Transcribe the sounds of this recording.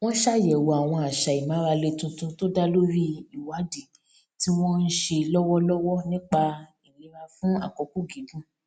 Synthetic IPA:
w̃ɔ̃˦ʃa˦˨jɛ˨wɔ˨a˨w̃ɔ̃˧a˨ʃa˨i˨mã˨˦ɾa˧le˧tũ˧tũ˧to˦da˦lo˦ɾi˦i˨wa˨˦de˨ | ti˦w̃ɔ̃˦n̩˦ʃe˧lɔ˦wɔ˦lɔ˦wɔ˦nĩ˦k͡pa˧ | i˨li˨˦ɾa˧fũ˦a̰˦˨kɔ˨˧ku˦˨ɡi˨˦ɡũ˦

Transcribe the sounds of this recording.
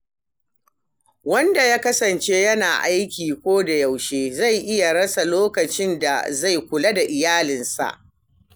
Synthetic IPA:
wɐ˦nda˨jaː˦kɐ˦sɐ˨nt͡ʃe˦jɐ˦naː˨ʔa˦jkʲiː˨kʷoː˦da˨ja˨wʃeː˦za˦˨jʔɪ˦ja˨ɽɐ˦sa˨loː˦kɐ˨t͡ʃɪ˦nda̰˨za˦˨jkʷʊ˨la˦da˨ʔɪ˨jaː˦lɪ˨nsa̰˨ʔ

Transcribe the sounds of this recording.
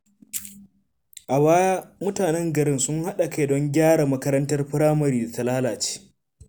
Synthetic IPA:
ʔa˨βaː˦mʊ˦taː˨nɛ˦ŋɡɐ˨ɾɪ˦nsʊ˦ŋha˦ɗa˨ka˦jdɔ˦ŋɡʲaː˦ɽa˨mɐ˦kɐ˦ɾɐ˦ntɐ˦rɸɪ˦ɾaː˦mɐ˨ɾiː˦˨da˨tɐ˨laː˦laː˨t͡ʃe̥ː˦

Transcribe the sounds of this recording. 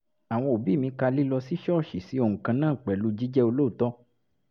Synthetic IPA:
a˨w̃ɔ̃˧o˨bi˦˨mĩ˧ka˧li˦lɔ˧si˦ʃɔ˦˨ʃi˨si˨˦o˧˨ũ˨kã˧nãː˦˨k͡pɛ˨lu˦d͡ʒi˦d͡ʒɛ˦o˧lo˦u˨tɔ˦

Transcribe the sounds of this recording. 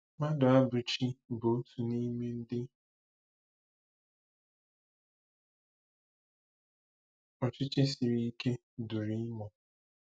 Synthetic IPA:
ma˦dʊ˨a˦bʊ˨t͡ʃi˦bo˨˦tʰu˨ni˦me˦n̩˦dɪ˦ | ɔ˨t͡ʃɪ˦t͡ʃɪ˦si˨ɾi˦i˦ke˦ | du˨ɾi˦mɔ˨

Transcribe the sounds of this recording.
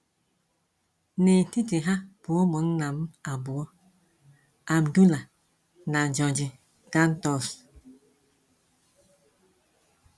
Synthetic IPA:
ne˨n̩˨ti˦ti˨ɦa˦b̥u˨˦ɔ˦mɔ˨˦n˦na˨m˦a˨bu˨ɔ˦ | a˨m˨du˦la˨ | na˨d͡ʒɔ˨nd͡ʒi˨ | ɡa˦n̩˦tɔ˦˨s

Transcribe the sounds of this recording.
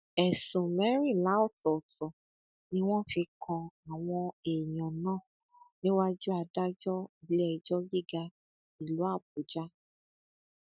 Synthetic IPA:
ɛ˨sũ˨mɛ̃˨˦ɾ̃ĩ˦˨la˨˦ɔ˦˨tɔ˨tɔ˨ | nĩ˦w̃ɔ̃˦fi˧kʰɔ̃˧a˨w̃ɔ̃˧e˨j̃ɔ̃˨nãː˦˨ | nĩ˦wa˦d͡ʒu˦a˧da˦d͡ʒɔ˦i˨lɛ˧i˨d͡ʒɔ˦bi˦˨ɡa˧ | i˨lu˨˦a˦˨b̚u˨d͡ʒa˦

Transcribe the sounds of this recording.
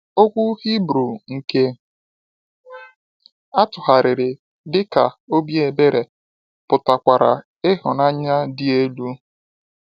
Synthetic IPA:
o˦kʷu˦hi˦bɾu˨ŋ̩˨ke˦ | a˦tʊ˨ha˨ɾɪ˨ɾɪ˨ | dɪ˦ka˨o˦bi˦e˨be˦ɾe˨ | pʊ˨ta˨kʷa˨ɾa̰˨ | ɪ˦ɦʊ˨na˦ɲa˦dɪ˦e˦lu˦

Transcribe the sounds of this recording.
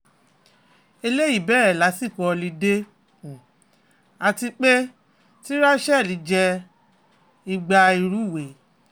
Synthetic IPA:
e˧le˦ji˦˨bɛː˦˨ɾɛ˦˨la˨˦si˦˨kɔ˧li˧˦de˦˨ | a˧ti˧k͡pe˦ | ti˦ɾa˦ʃɛ˦˨li˨˦d͡ʒɛ˧ | i˧ɡ͡ba˧i˧ɾu˦˨we˨

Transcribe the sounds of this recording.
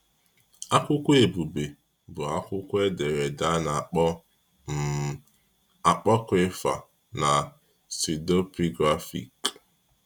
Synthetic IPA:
a˦kʷʊ˦kʷʊ˦e˨bu˨be˨ | bʊ˨a˦kʷʊ˦kʷʊ˦e˦de˨ɾe˨da˦na˨ɔ˦ | a˨k͡pɔ˦kɪ˦fa̰˨ | na˨ | si˨do˦pi˦ɡɾa˦fḭ˨k

